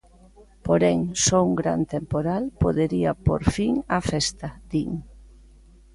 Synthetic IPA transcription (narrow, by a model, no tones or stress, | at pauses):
poɾɛŋsouŋɡɾa̰nt̪empoɾalpoðeɾiɐpo̰ɾfiŋɐfɛst̪ad̪iŋ